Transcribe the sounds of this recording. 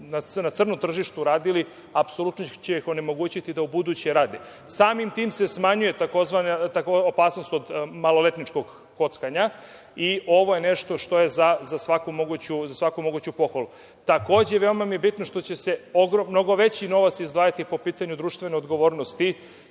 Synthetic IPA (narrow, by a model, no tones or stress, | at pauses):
nanat̪sr̩nomt̪r̩ʒiʃt̪uɾaːd̪ili | apso̞lˠut̪not͡ɕeixo̞ne̞mo̞ɡuːt͡ɕit̪id̪aubud̪ut͡ɕeɾaːd̪e | saːmimt̪iːmse̞smaɲuje̞t̪ako̞zʋanat̪akoopaːsno̞st̪o̞d̪malo̞le̞t̪nit͡ʃko̞ɡː | o̞t̪skaɲa | io̞ʋo̞je̞ne̞ʃt̪o̞ʃt̪o̞je̞zazasʋakumo̞ɡuːt͡ɕuzasʋakumo̞ɡuːt͡ɕupo̞xʋalu | t̪ako̞ːd͡ʑeʋe̞omamije̞bit̪no̞ʃt̪o̞t͡ɕese̞oɡɾomno̞ɡo̞ʋe̞t͡ɕino̞ʋat̪sizd̪ʋaːjat̪ipo̞piːt̪aɲud̪ɾuːʃt̪ʋe̞neod̪ɡo̞ʋo̞ːɾnost̪i